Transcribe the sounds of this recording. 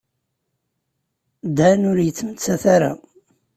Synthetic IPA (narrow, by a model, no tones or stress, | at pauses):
d̪ænʊɾjət͡sːmət͡sːæθaɾa̰